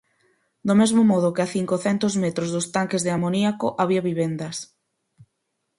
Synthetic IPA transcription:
d̪omezmomɔð̞ʊkɪaθiŋkoθɛnt̪ozmet̪ɾozðost̪aŋkezðeamoniakoʔaβiaβiβɛnd̪ɐs

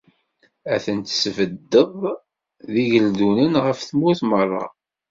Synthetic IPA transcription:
æθənt̪svəd̪ːəðˤ | ðiʝəld̪unənʁəfθmuθmərˤːɑ̰

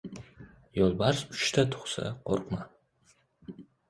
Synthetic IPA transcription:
jolbaɾsʊt͡ʃt̪ʰat̪ʰʊ̥χsa̰qo̰rqma

